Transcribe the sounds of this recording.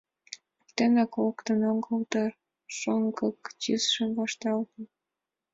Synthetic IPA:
t̪enɑkokt̪ənoŋɡəlt̪ɑ | ʃoŋɡɤkt͡ɕisʃəmvɑʃt̪ɑlt̪ə̆n

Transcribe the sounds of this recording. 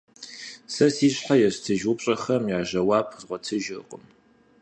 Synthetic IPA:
sɐsiːɕʼħajɛɕtʰɨʒupɕʼɐxɐmjaːʑɐwaːpʰzʁʷɔtʰɨʒɨqʼəm

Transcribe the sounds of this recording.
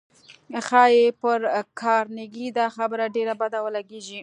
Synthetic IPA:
xɑjepəɾkʰɑɾneɡid̪ɑxabəɾaɖeɾabad̪awəlaɡeʒi

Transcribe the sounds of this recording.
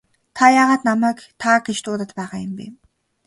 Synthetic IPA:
t̪ʰajaʁaːt̪namæːkt̪ʰaːɡeʃt̪ʊːt̪ə̆t̪pæːʁaːjə̆mpḭm

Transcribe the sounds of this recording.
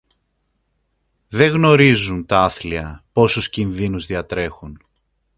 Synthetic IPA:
ðe̞ɣno̞ɾizunt̪ɐɐθliɐpo̞suscinðinuzðiɐt̪ɾe̞xun

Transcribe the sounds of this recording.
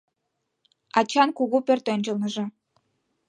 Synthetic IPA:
ɑt͡ɕɑnkuɣupørt̪ønʲt͡ɕəlnəʒĕ

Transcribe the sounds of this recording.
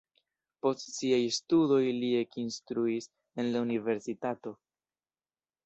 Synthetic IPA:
po̞stsiajstudo̞jlie̞kinstɾuis | e̞nlaunive̞ɾsitato̞

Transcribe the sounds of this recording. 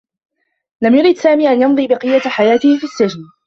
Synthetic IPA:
lamjʊɾiːd̪saːmiːʔanjɑnðˤiːbɪqɨjːaħajaːt̪ɪhɪfiːsːad͡ʒn

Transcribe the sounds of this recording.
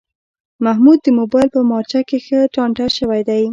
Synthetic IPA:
mahmud̪̚ːəmobɑjɪlpəmɑɾt͡ʃakexəʈɑɳʈaʃəwajd̪aj

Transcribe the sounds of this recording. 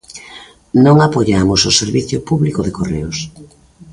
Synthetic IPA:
nõŋapoʎamʊsʊseɾβiθjʊpuβlikʊðekoreʊs

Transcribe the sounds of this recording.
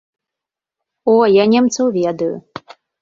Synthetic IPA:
ɔjanʲɛmt̪sɐwvʲɛd̪ɐjṵ

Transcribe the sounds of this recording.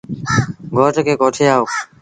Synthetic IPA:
ɡʱoːʈkeːkoːʈʰeːaːɦoː

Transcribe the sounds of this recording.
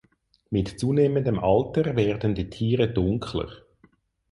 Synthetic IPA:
mɪtt͡suːneːməndəmʔɑltəʁvɛːʁdn̩diːtʰiːʁədʊŋkʰlə̰ʁ

